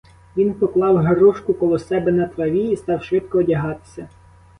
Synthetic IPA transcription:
ʋʲinpɔklˠɑwɦeɾuʃkʊkɔlˠɔsɛbɛnɐt̪ɾɐʋʲiist̪ɑwʃʋɪt̪kɔːdʲɐɦɑt̪ɪ̥sʲɐ

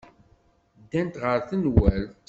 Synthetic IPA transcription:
d̪ːænt̪ʁəɾθənwæl

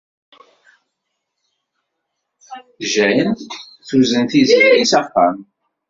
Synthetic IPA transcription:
ʒæjən | θuzənθizmjisɑqːəm

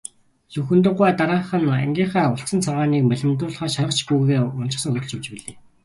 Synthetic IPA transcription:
sɵxɵ̆nt̪̬ə̆qːwæːt̪aɾaːɴχə̆næ̰ŋɡʲiːɴχæːʊɬt͡sə̆nt͡sʰarʁaːniːkmæɮʲɪ̆mt̪ʊːɮχœːʃaʁə̆t͡ɕɡujɣeːʊn̥t͡ɕɪ̆χsə̆ŋxɵt̪̆t͡ɕɵwt͡ɕpiɮeː

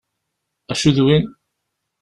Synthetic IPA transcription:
æʃuðwin

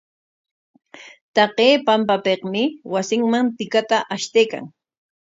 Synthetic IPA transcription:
t̪ɑqeːpampapeqmɪwasɪŋmant̪ɪkat̪aʔaʃt̪ejka̰ŋ

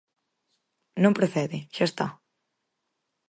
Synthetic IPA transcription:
nõmpɾeθɛðiʃaest̪a̰

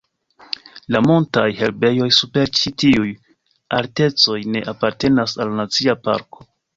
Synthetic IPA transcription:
lamontajhe̞lbe̞jo̞jsupe̞ɾt͡ʃitiuj | aɾte̞t͡so̞jne̞ʔapaɾte̞nasalnat͡siapa̰ɾko̞̥

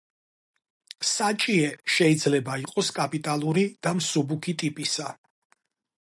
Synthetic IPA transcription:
sat͡ʃʼiɛʃɛid̪zlɛbaiqʼɔskʼapʼit̪ʼalˠuɾid̪̥amsubukʰit̪ʼipʼisa

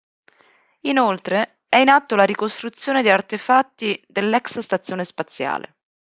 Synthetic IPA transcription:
inolt̪ɾe | ɛinat̪ːolaɾikost̪ɾut̪sːjoːned̪iart̪efat̪ːid̪elːɛksst̪at̪sːjoːnespat̪sːja̰ːlḛ

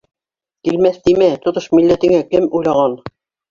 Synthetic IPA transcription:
kilmæθt̪imæt̪ŏt̪oʃmilːæt̪ɘ̆ŋækɘmujlˠɑʁɑn

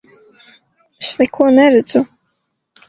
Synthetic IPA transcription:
ɛsnɛkʰuɔnɛɾɛd̪z̥u

